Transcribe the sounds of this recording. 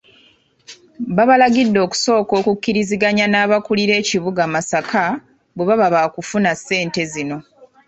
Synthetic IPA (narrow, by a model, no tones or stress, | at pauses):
βaβalaɡidːo̞ːku̥so̞ːko̞ːkukːiɾiziɡaɲanaːβakuliɾe̞ːciβuɡaːmasakʰa | bweβaβaβaːkufunasːe̞ːnte̞zino̞